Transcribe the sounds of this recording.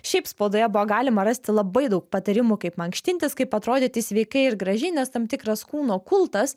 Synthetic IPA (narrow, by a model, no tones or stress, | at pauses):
ʃʲɛɪpspoːd̪oːjɛbʊʋoɡɑːlʲɪmɐɾɐsʲt̪ʲɪlˠɐbɐɪd̪ɐʊk̚pɐt̪ɐɾʲɪmʊkɐɪpmɐŋkʃʲt̪ʲɪnʲt̪ʲɪskɐɪpɐt̪ɾoːd̪ʲeːt̪ʲɪsʲʋʲɛɪkɐɪɪɾɡɾɐʒʲɛɪnʲɛst̪ɐmt̪ʲɪkɾɐskuːnoːkʊlˠt̪ɐs